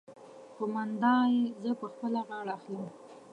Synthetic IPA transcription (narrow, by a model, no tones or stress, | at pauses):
xomand̪ɑjezəpəxpəlaɣɑɽaːxlim